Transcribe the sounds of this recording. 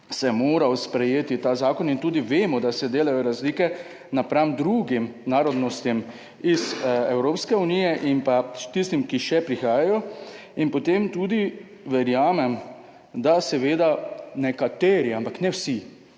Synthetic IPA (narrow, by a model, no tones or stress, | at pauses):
sɛmoːɾawspɾɛjeːt̪it̪aːzaːkɔnint̪uːd̪iʋeːmɔd̪asɛd̪eːlajɔɾazliːkɛ | napɾamd̪ɾuɡimnaːɾɔd̪nɔst̪im | izɛwɾoːpskɛuniːjɛʔinpat̪ist̪imkiʃɛpɾixaːjajɔ | inpɔt̪emt̪uːd̪i | ʋɛɾjaːmɛm | d̪asɛʋeːd̪anɛkat̪eːɾiampaknɛwsi